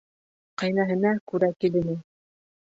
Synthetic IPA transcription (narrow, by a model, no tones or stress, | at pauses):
qɑjnɑɦɤ̆nɑkʉɾækilɘ̆nɘ